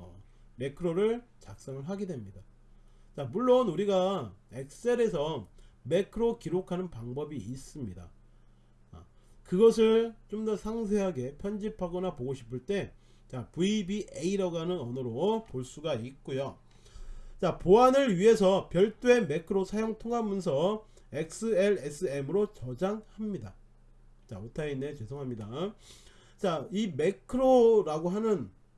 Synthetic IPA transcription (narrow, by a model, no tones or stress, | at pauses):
me̞kʰɯɾoɾɯɭt͡ɕak̚s͈aŋɯɭɦaɡe̞dwe̞mɲida | t͡ɕamuɭːonuɾiɡae̞k̚s͈eɾe̞sʰʌme̞kʰɯɾokiɾokʰanɯnpaŋbʌbiːs͈ɯmɲida̰ | kɯɡʌsʰɯɭt͡ɕomdʌsʰaŋs̬ʰe̞ɦaɡe̞pʰjʌnd͡ʑipʰaɡʌnapoɡoɕʰi̥pʰɯɭt͈e̞ | t͡ɕapuibiʔeiɾʌɡanɯnʌnɯɾopoɭs͈uɡaik̚k͈ojo | t͡ɕapoanɯɾɥiɦe̞sʰʌpjʌɭt͈we̞me̞kʰɯɾosʰajoŋtʰoŋɦamjʌns̬ʰʌ | ek̚s͈ʰɯeɾesʰɯe̞mɯɾot͡ɕʌd͡ʑaŋhamɲida | t͡ɕa̰otʰaine̞t͡ɕwe̞sʰoŋɦamɲida | t͡ɕaime̞kʰɯɾoɾaɡoɦanɯn